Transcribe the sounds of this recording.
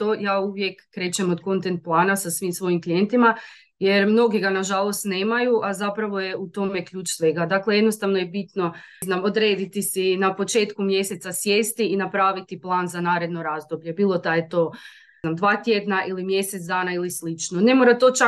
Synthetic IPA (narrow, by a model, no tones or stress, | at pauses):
t̪ojaːuʋje̞kːɾe̞t͡ɕemod̪ko̞nt̪e̞nt̪̚plˠaːnasasʋimsʋo̞jimklije̞nt̪ima | je̞ɾmno̞ɡiɡanaʒalo̞st̪ne̞ːmajuʔazapɾaʋo̞je̞ut̪o̞me̞kʎʲuːt͡ʃsʋe̞ɡad̪akleje̞d̪nost̪aʋno̞jebit̪no̞znamod̪ɾe̞ːd̪it̪isinapo̞t͡ʃe̞ːt̪kumje̞se̞t̪sasje̞ːst̪iinapɾaːʋit̪iplˠaːnzanaːɾe̞d̪no̞ɾazd̪obʎe̞biːlˠo̞d̪ajet̪o̞ | namd̪ʋaːt̪je̞d̪naʔilimje̞set̪sd̪aːnailislit͡ʃnone̞moɾat̪o̞t͡ʃa